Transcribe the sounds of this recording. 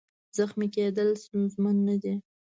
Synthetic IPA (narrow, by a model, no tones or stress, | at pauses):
zaxmiked̪əlst̪unzmanːad̪i